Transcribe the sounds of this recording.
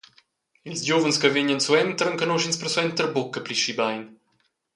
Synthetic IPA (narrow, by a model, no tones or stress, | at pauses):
ilʲzɟovənskəveɲənsuɛnt̪əɾəŋkənoʃinspəɾswɛnt̪əɾbokːəpliʃibajn